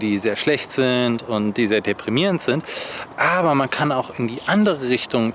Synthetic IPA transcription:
diːzeːɐʃlɛçtz̥ɪntʊntd̥iːzeːɐdepʁ̥imiːʁəntz̥ɪntʔaːbɐmankʰanaʊxɪndiːʔandəʁ̞əʁɪçtʊŋ

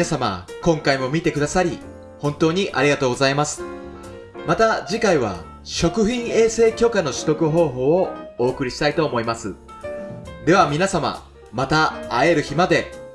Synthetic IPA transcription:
asama̰kõ̞ŋkaimo̞mʲit̪e̞kɯ̟d̪asaɾʲi | hõ̞nt̪o̞ːɲ̟iʔaɾʲiɡat̪oːɡo̞zaimasɨ̥ | mat̪ad͡ʑikaiβ̞a̰ | ɕo̞kɯ̟çĩɰ̃e̞ːse̞ːkʲo̞kano̞ɕɨ̥t̪o̞kɯ̟ɦo̞ːɦo̞ːoo̞ːkɯ̟ɾʲiɕi̥t̪ait̪o̞ːmo̞imasɨ | d̪e̞β̞amʲinasama̰ | mat̪aːe̞ɾɯ̟çimad̪e̞

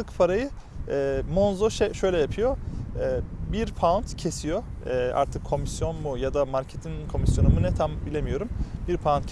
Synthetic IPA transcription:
ɯkpʰaɾajɯ | ɛmonzoʃɛʃøjlʲɛjapʰyjo̞ɛːbiɾpʰant̪cʰe̞sijo̞ɛːa̰ɾt̪ʰɯkʰːo̞misjo̞nmujad̪amaɾcʰet̪ʰinkʰo̞misjo̞numunɛt̪ʰambilʲe̞mijo̞ɾumbiɾpʰaunc

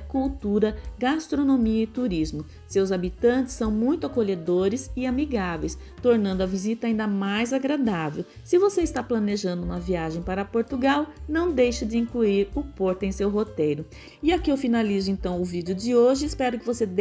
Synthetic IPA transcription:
kuwt̪uɾɐɡast̪ɾonomiɐɪt̪uɾizmʊ | sewzabit̪ɐ̃nt͡ʃɪ̥sːɐ̃w̃mũj̃t̪ʊakoʎed̪oɾɪzɪamiɡavḛjs | t̪oɾnɐ̃nd̪ʊɐvizit̪ɐaĩnd̪ɐmajzaɡɾad̪avḛw | sɪvoseɪst̪aplɐneʒɐ̃nd̪ʊũmɐviaʒẽj̃paɾɐpoɾt̪uɡawnɐ̃w̃d̪ejʃɐd͡ʒɪĩŋkluiɾʊpoɾt̪ʊẽj̃sewɦot̪ejɾʊ | ɪakiewfinalizʊẽnt̪ɐ̃w̃ʊvid͡ʒɪʊd͡ʒɪoʒɪːspɛɾʊkɪvosed̪

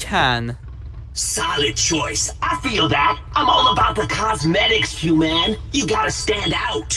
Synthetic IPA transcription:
kʰæ̃n | saɪlˠɨd̚t͡ʃʰɔɪsʔaɪfilˠðætʔãɪ̃mɔlˠəbaʊt̪̚ðəkʰɑzmɛɾɪksfjumæ̃njɨɡɑɾɨstæ̃ndaʊt̚

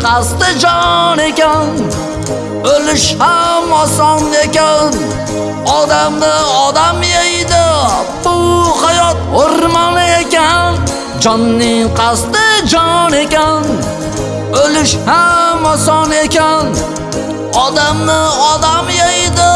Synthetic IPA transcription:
qʰɑst̪ɪd͡ʒɒne̞kʲan | olɪʃhamɒsɒne̞kʲan | ɒd̪amnɪɒd̪amjejd̪ɪbʊhajɒt̪̚hoɾmɒne̞kʲan | d͡ʒɒnːɪŋqʰɑst̪ɪd͡ʒɒne̞kʲan | olɪʃhamɒsɒne̞kʲan | ɒd̪amnɪɒd̪amjejd̪ɪ

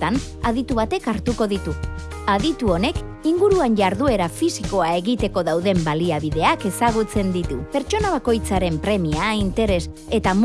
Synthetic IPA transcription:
an | aðit̪uβat̪e̞kaɾt̪uko̞ðit̪u | aðit̪uo̞ne̞k | iŋɡuɾuanʝaɾðue̞ɾafisiko̞ae̞ɣit̪e̞ko̞ðawðe̞mbaliaβiðe̞ake̞saɣ̞ut͡se̞nd̪it̪upe̞ɾt͡ʃo̞naβ̞ako̞jt͡saɾe̞mpɾe̞miaint̪e̞ɾe̞se̞t̪am

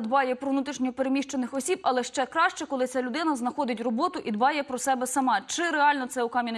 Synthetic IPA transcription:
d̪bɑjɛpɾɔʋnut̪ɾiʃnʲɔpeɾemʲiʃt͡ʃenɪxɔsʲibɐlˠɛʃt͡ʃɛkɾɑʃt͡ʃɛkɔlˠɪt͡sʲalʲʊd̪ɪnɐznɐxɔd̪ɪtʲrɔbɔt̪ʊʔid̪bɑjɛpɾɔsɛbɛsɐmɑt͡ʃɪɾeɑlʲnɔt̪sɛukɑmʲin

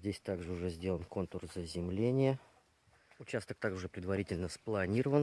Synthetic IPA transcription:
dʲesʲt̪aɡʐɨʊʐɛzʲdʲe̞lˠənko̞nkʊrzəzʲɪmlʲenʲɪjə | ʊt͡ɕast̪ək̚t̪aɡʊʐɛpɾʲɪd̪vɐɾʲitʲɪlʲnəsplˠɐnʲiɾəvən

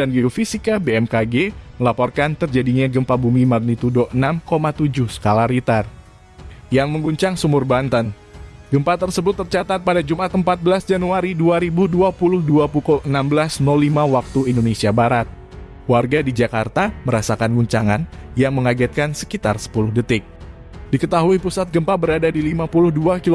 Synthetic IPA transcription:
danɡiofisikabeɛmkaɡeməlapɔrkant̪ərd͡ʒadiɲaɡəmpabumimarnit̪udoənamkomat̪ud͡ʒʊhsə̥kalaɾit̪ar | jaŋməŋɡuɲt͡ʃaŋsumʊrbant̪an | ɡəmpat̪ərsəbʊt̪ːərt͡ʃat̪at̪̚padad͡ʒumat̪əmpat̪̚bəlasd͡ʒanuaɾiduaɾibuduapulʊhduapukulənambəlasnɔlːimawak̚t̪uindonesiabaɾat̪̚ | kwarɡadid͡ʒakart̪aməɾasakanɡuɲt͡ʃaŋanjaŋməŋaɡɛt̪̚kansə̥kit̪arsə̥pulʊhdət̪ɪk̚ | dikət̪aɦuipusat̪̚ɡəmpabəɾadadilimapulʊhduakil

